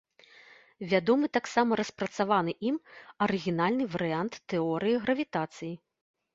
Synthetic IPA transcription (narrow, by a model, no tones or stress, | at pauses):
vʲad̪ɔmɨt̪aksamɐɾɐspɾɐt̪savanɨʔimɐɾɨɣʲinalʲnɨvɐɾɨant̪ːɛɔɾɨjiɣɾɐvʲit̪at̪sɨji